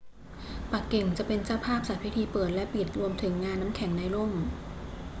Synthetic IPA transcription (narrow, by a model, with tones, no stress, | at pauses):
pa˨˩kːe˨˩ŋt͡ɕa˨˩ʔpe˧nt͡ɕaː˥˩wpʰaː˥˩p̚sa˨˩pʰi˦˥t̪ʰiː˧pɤː˨˩t̪̚lɛ˦˥pi˨˩t̪̚ɾu˧əmt̪ʰɯ˩˦ŋːaː˧nːa˦˥mkʰɛ˨˩˦ŋna˧jlo˥˩m